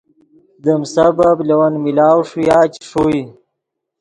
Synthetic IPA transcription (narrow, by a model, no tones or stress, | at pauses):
d̪əmsɐbablɐwɐnmilaːwʂujaːt͡ɕʂoi